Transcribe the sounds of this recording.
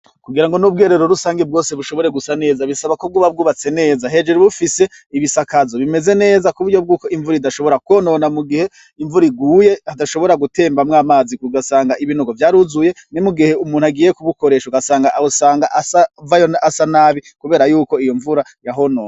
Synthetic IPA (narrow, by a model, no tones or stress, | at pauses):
kuɡiɾaŋɡo̞nub̚ɡeːɾe̞ɾoɾusaːŋɡeb̚ɡo̞ːseβuʃoβo̞ɾe̞ɡusane̞ːzaβisaβakob̚ɡuːβab̚ɡuːβat͡se̞ne̞ːzaɦe̞d͡ʒeɾuβufise̞ | iβisakazoβime̞ze̞ne̞ːzakuβuɾɟo̞b̚ɡuːko̞iɱvuɾiidaʃo̞βo̞ɾakuono̞namuɡihe̞ | iɱvuɾiɡuːje̞hadaʃo̞βo̞ɾaɡute̞ːmbamŋaːmaːziuɡasaːŋɡaiβinoɡo̞vjaːɾuzuje̞ | nimuɡihe̞umuːnhaɡiːjekuβuko̞ɾe̞ʃouɡasaːŋɡaʔaosaːŋɡaʔasavajonasanaːβikuβe̞ːɾajuːko̞ijo̞ɱvuɾajaɦo̞no̞ːna